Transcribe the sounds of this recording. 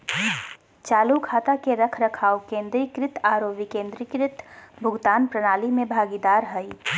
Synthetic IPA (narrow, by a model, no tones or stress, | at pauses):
t͡ʃaːlukʰaːt̪akeɾɐkʰɾɐkʰaːwkẽːnd̪ɾikɾɪt̪aːɾoːʋikẽːnd̪ɾikɾɪt̪bʱʊɡt̪aːnpɾɐɽ̃aːlimẽbʱaːɡid̪aːɾɦəi